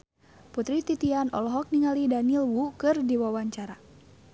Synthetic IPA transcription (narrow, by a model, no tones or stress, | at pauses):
put̪ɾit̪it̪ianɔ̰lɔɦɔk̚niŋalidanilwukɨrdiwawaɲt͡ʃaɾa